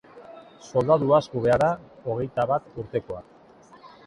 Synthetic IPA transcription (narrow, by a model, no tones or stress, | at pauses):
so̞ld̪aðuaskuβe̞aðao̞ɣ̞e̞jt̪aβat̪uɾt̪e̞ko̞a̰k